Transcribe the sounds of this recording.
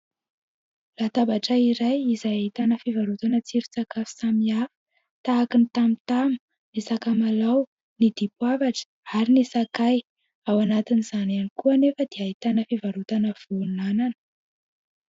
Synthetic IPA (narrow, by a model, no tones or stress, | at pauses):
lat̪abaʈ͡ʂəiɾajizajaɦit̪anəfivaɾut̪anət͡siɾut͡sakafi̥samiafə̥ | t̪aːkinit̪amit̪amu | nisakamalaw | nid̪̥ipwavaʈ͡ʂə̥ | aɾinisakaj | awanat̪inizananikuanefəd̪̥eaɦit̪anəfivaɾut̪anəv̥unananə̥